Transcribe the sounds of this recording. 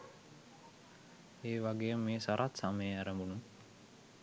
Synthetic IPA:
eːʋaɡejmːeːsaɾʔat̪saməjəæɾəmbunum

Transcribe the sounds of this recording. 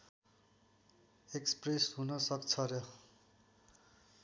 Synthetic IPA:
ekspresɦunʌsʌkt͡sʰʌɾʌ

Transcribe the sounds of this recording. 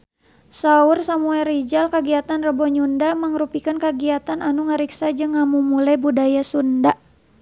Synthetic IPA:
saursamuɛɾid͡ʒalkəɡiat̪anrəbɔɲundaməŋɾupikankəɡiat̪ananuŋəɾiksad͡ʒɨŋːamumulajbudajasunda

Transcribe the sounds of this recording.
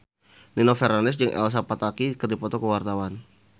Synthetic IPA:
ninofɛɾanɪs̬d͡ʒəŋʔɛ̰ls̬apat̪akikərdipɔt̪ɔkəwart̪awan

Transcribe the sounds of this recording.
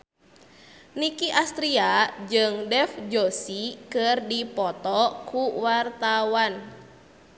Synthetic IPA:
nikiʔast̪ɾiad͡ʒɨŋdɛfd͡ʒosikɨrdipɔt̪ɔkuwart̪awan

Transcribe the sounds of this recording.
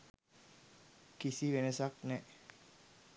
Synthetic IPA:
kisiʋenəsak̚nɛʔ

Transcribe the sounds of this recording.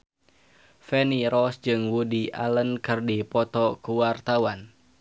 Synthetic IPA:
fɛniɾɔsd͡ʒɨŋwudiʔa̰lənkɨrdipɔt̪ɔkuwart̪awan

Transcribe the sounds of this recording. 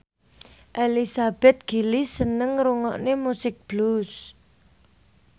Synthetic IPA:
ʔelisab̥ɛ̤t̪̚ɡ̥i̤lisənəŋɾuŋɔ̰ʔnemusɪk̚b̥lus

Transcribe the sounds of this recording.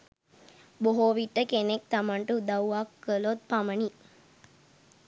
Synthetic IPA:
boɦoːʋiʈːəkenek̚t̪amaɳʈud̪ɐwakːəlot̪̚pamɐni

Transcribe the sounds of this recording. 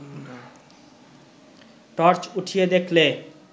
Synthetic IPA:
ʈɔɾt͡ɕuʈʰijed̪ekʰle

